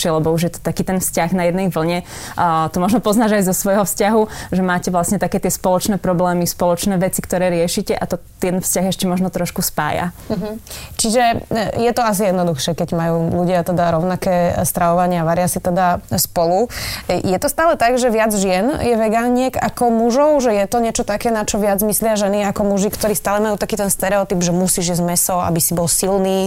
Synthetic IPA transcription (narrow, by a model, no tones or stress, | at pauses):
ɛlɛbɔuʒjɛt̪ɔ̥t̪akiːt̪ɛnfscaɣnajɛd̪nɛjʋl̩ɲɛ | t̪ɔmɔʒnɔpɔznaːʒajzɔsʋɔjɦɔfscaɦuʒɛmaːcɛʋlasɲɛt̪akɛːt̪ɪɛspɔlɔt͡ʃnɛːpɾɔblɛːmispɔlɔt͡ʃnɛːʋɛt͡sikt̪ɔɾɛːɾɪɛʃicɛʔat̪ɔt̪ɪɛt̪nfscaɣiɛʃcɛmɔʒnɔt̪ɾɔʃkuspa̰ːja̰ɦ̩t͡ʃiʒɛjɛt̪ɔas̬ijɛd̪nɔd̪uxʃɛkɛɟmajuːluɟɪat̪ɛd̪aɾɔʊnakɛːst̪ɾaʋɔʋaɲɪaʋaɾɪasit̪ɛd̪aspɔlujɛt̪ɔst̪aːlɛt̪aɡʒɛʋɪad͡zʒɪɛnjɛʋɛɡaːɲɪɛɡa̰kɔmuʒɔʊʒɛjɛt̪ɔɲɛt͡ʃɔt̪akɛːnat͡ʃɔʋɪad͡zmislɪaʒɛniakɔmuʒikt̪ɔɾiːst̪aːlɛmajuːt̪akiːt̪ɛnst̪ɛɾɛɔt̪ibʒɛmusiːʒjɛzmɛsɔa̰bisibɔlsilniː